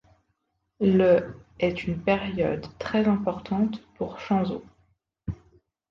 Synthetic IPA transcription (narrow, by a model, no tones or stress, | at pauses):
ləɛt̪ynpeʁjɔ̰d̪t̪χɛzɛ̃pɔʁt̪ɑ̃t̪puʁʃɑ̃zo